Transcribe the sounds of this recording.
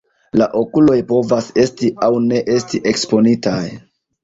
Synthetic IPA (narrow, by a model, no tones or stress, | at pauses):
laʔo̞kulo̞jpo̞vase̞stiʔawne̞ʔe̞stiʔe̞kspo̞nitaj